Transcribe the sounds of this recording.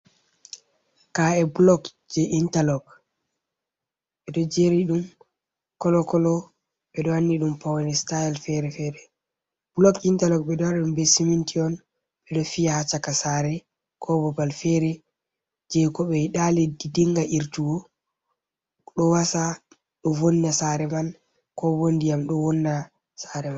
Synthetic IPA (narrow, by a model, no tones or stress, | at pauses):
kaɛbulɔk | d͡ʒɛʔintalɔɡ | ɓɛɗɔd͡ʒeɾiɗum | kɔlɔkɔlɔ | ɓɛɗɔanːiɗumpawɛnɛstaɛlfɛɾɛfɛɾɛ | b̥lɔkintalɔk̚ɓɛɗɔanaɗumbɛsimintiɔn | ɓɛɗɔfijahat͡ʃːakasaɾɛ | kʰɔbɔbalfɛɾɛ | d͡ʒɛkɔɓɛiɗaledidiŋɡaʔiɾtuwɔ | ɗɔwasa | ɗɔvonːasaɾɛman | kɔwondijamɗɔwɔnːa | saɾɛman